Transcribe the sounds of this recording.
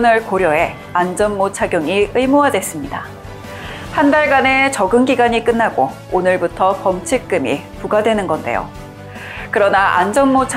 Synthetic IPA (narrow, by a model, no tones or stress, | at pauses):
nɯɭkoɾjʌe̞ | and͡ʑʌnmot͡ɕʰaɡjoŋiɯimoadwe̞s͈ɯmɲida | handaɭɡane̞t͡ɕʌɡɯnɡiɡaɲik͈ɯnːaɡo | onɯɭbutʰʌpʌmt͡ɕʰik͈ɯmḭpuɡadwe̞nɯnɡʌnde̞̰jo̰ | kɯɾʌnaʔand͡ʑʌnmot͡ɕʰ